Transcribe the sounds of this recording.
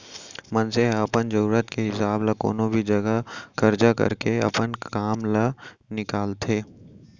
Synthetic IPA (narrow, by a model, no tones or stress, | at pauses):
mɐnseɐpənd͡ʒɐɾuːɾət̪keɦɪsaːblako̰ːnõbʱid͡ʒɐɡakɐɾd͡ʒakɐ̰ɾkeɐ̰pənkaːmla | nɪkaːlt̪ʰeː